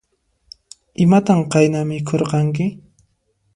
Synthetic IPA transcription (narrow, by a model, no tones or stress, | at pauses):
ɪmat̪aɴqɑjnamɪkʰoɾqɑŋkɪ